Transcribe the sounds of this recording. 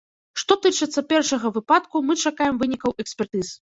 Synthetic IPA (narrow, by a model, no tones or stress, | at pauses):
ʂt̪ɔt̪ɨt͡ʂɨt̪sːɐpʲɛrʂɐɣɐvɨpat̪kumɨt͡ʂakajɛmvɨnʲikɐwɛksʲpʲɛrt̪ɨz